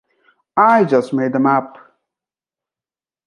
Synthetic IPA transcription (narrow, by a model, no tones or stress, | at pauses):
aɪd͡ʒʌstmeɪd̪ə̃map̚